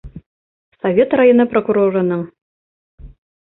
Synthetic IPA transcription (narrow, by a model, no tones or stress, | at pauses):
sɐvʲet̪rajonɤprokuɾoɾɤ̆nɤŋ